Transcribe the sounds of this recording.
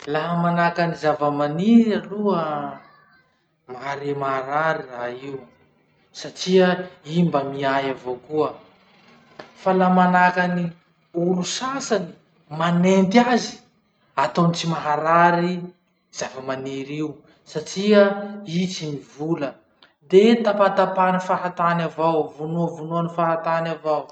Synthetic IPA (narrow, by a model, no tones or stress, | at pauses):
laɦəmanakanizavəmaniɾaluə | maɦaɾemaɦaɾaɾiraiw | saʈ͡ʂiəimbəmiajavokuə | falamanakani | ulusasani̥ | manent̪iazi̥ | at̪onit͡simaɦaɾaɾi | z̥avəmaniɾiu | saʈ͡ʂiəit͡simivulə | d̪et̪apat̪apanifaɾat̪anavawvunuəvunuanifaɦat̪anavaw